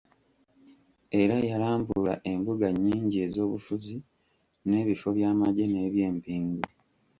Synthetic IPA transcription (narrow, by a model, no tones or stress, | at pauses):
e̞ɾajalaːmbula̰ʔe̞mbuɡaɲːiːɲɟie̞ːzo̞ːβufuzi | ne̞ːβifo̞βjaːmaɟe̞ne̞ːβje̞ːmpiːŋɡu